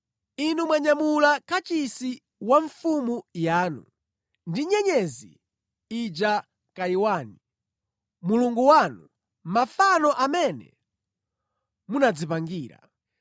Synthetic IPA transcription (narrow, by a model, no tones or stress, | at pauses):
inumwaɲamulakat͡ʃisi | waɱfumujaːnṵ | ndiɲɛɲɛzḭ | id͡ʒa | kaiwaːni | muluŋɡuwanu | mafanɔʔamɛnɛ̰ | munad͡zipaŋɡiːɾa̰